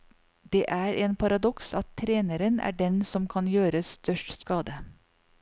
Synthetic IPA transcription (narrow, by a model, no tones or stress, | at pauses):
d̪eːʔæːɾʔeːnpʰɑɾɑd̪ɔksɑt̪ʰːɾeːnəɾənæ̰ːɖɛnsɔmkʰɑnjøːɾəsst̪ʰœʃʈskɑːd̪ə